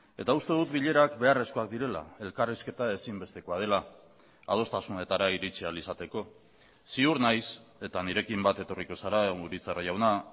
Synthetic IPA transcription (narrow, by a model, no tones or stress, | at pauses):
e̞̰t̪aust̪e̞ð̞ut̪biʎe̞ɾakbe̞are̞sko̞ak̚d̪iɾe̞la̰e̞lkariske̞t̪ae̞simbe̞st̪e̞ko̞að̞e̞la | a̰ð̞o̞st̪asune̞t̪aɾaiɾit͡sialisat̪e̞ko̞ | siuɾnajse̞t̪aniɾe̞kimbat̪e̞t̪o̞riko̞saɾauɾit͡saraʝawna